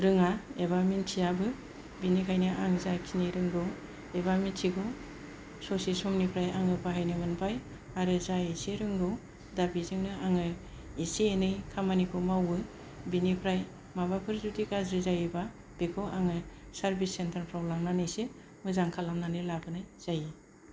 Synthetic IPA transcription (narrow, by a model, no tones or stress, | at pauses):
ɾɯŋaebamintʰijabɯ | binikʰajnɯʔaŋzakʰiniɾɯŋɡɯw | ebamentʰiɡɔ | sosisɔmnipʰɾajaŋɯpʰaɦajnɯmɯnpʰaj | aɾɯzaiseɾɯŋɡɯw | dabizɯŋnɯaŋɯ | isenɯjkʰamanikʰumawɯ | binipʰɾaj | mabapʰɯɾzudikazɾizajɯba | b̥ekʰoʔaŋɯsaɾbisːentʰaɾpʰɾɔblamnanɯjse | mɯzaŋkʰalamnanɯlabɯnɯjz̥aji